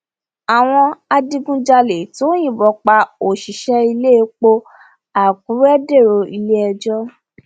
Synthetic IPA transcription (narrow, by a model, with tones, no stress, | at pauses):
a˨w̃ɔ̃˧a˧di˧ɡũ˦d͡ʒa˧le˨to˨˦j̃ĩ˦˨bɔ˧˦k͡pa˧o˨ʃi˨ʃɛ˧i˧le˦˧˦k͡po˧ | a˨k̚ũ˨˦ɾɛ˦de˦˨ɾo˧i˧le˦ɛ˧d͡ʒɔ˦